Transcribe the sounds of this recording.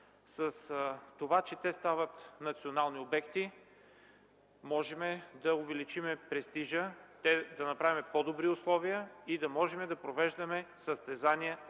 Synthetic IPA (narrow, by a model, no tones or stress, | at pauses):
səst̪ovat͡ʃɛt̪ɛst̪avət̪nɐt̪sionalˠniobɛkt̪i | mɔʒɛmɛd̪ɐʊvɛlit͡ʃimɛpɾɛst̪iʒət̪ɛd̪ɐnɐpɾavimɛpɔd̪obɾiʊslˠɔvijəid̪ɐmɔʒɛmɛd̪ɐpɾovɛʒd̪ɐmɛsəst̪ɛzaniə